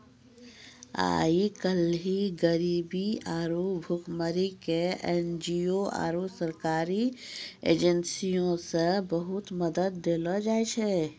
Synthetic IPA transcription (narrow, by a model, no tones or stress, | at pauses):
a̰ːikəlɦiɡəɾiːbiaːɾubʱʊkməɾikeend͡ʒioa̰ːɾusəɾkaːɾiḛːd͡ʒənsijõsebəɦʊt̪məd̪əd̪̚ːeːlɔd͡ʒaːet͡ʃʰɛ